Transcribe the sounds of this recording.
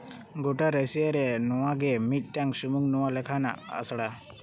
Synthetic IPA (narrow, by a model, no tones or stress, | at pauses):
ɡoʈaɾəsiaɾɛnɔwaɡemiʈ̚ʈjaŋsumuŋnɔwalɛkʰana̰ə̰sɽa